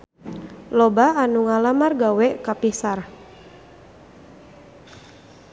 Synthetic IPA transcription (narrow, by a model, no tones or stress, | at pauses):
lɔbaanuŋalamarɡawɛkapisar